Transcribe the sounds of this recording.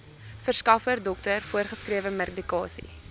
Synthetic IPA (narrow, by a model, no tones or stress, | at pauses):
fərskɐfərdɔktərfuərχəskriəvəmɛr̚dikɑ̰ːsḭ